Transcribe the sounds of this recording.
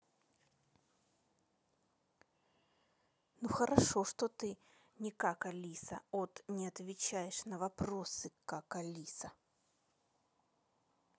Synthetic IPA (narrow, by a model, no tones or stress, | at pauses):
nuxəɾʔɐʂoʂt̪ot̪ɨ | nʲɪkakɐlʲisə̰ot̪nʲɪɐt̪vʲɪt͡ɕæjɪʂnəvɐpɾosɨkakɐlʲisə